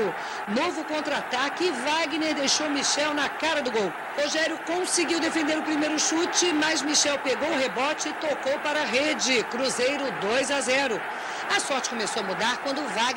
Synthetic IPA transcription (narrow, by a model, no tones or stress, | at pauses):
ʊ | novʊkõnt̪ɾat̪akɪɪvaɡineɾd̪ejʃowmiʃɛwnɐkaɾɐd̪ʊɡow | hoʒɛɾjʊkõsiɡiwd̪efẽnd̪eɾʊpɾimejɾʊʃut͡ʃɪmɐzmiʃɛwpeɡowʊɦebɔt͡ʃɪɪt̪okowpaɾɐɦed͡ʒɪkɾuzejɾʊd̪ojzazɛɾʊ | ɐsɔɾt͡ʃɪ̥kõmesowɐmud̪aɾkwɐ̃nd̪ʊvaɡ